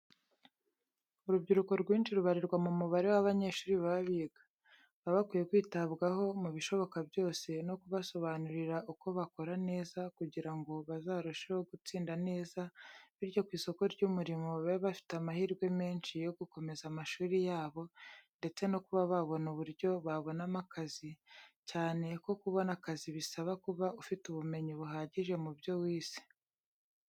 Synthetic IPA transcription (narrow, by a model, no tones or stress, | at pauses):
uɾubɟiɾuko̞ɾɡwiːnʃiɾuβaɾiɾɡwamumuβaɾewaβaɲe̞ːʃuːɾiβaβaβiɡḁ | βaβakwiːje̞kwiːtaβɡaɦo̞muβiʃo̞βo̞kabjo̞ːse̞no̞kuβaso̞βanuɾiɾaʔuko̞βako̞ɾane̞ːzakuɟiɾaŋɡo̞βazaːɾuʃeho̞ɡut͡siːndane̞ːzaβiɾjo̞kwiːso̞ko̞ɾɟumuɾimo̞βaβafi̥tamahiɾɡwe̞me̞ːnʃijo̞ɡuko̞me̞zamaʃuːɾijaːβo̞nde̞t͡se̞no̞kuβaβaβo̞nuβuɾɟo̞βaβo̞namakazicaːne̞ko̞kuβo̞nakaziβisaβakuβaufituβume̞ɲiβuɦaːɟiʒe̞mubjo̞wiːsi̥